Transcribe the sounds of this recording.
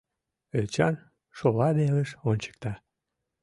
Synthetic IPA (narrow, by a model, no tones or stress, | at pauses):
et͡ɕɑn | ʃolɑd̪eləʃonʲt͡ɕə̥k̚t̪ɑ